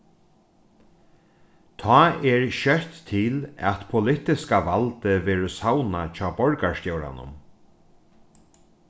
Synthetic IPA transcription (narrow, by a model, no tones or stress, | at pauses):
t̪ʰɔːɛɹɕœht̪ʰːɪlɛ̰t̪pʰʊlɪt̪ɪskaʋalt̪ɪʋɛːɾʊsawnat͡ʃʰɑːbɔɹkast̪jowɾa̰nʊ̰m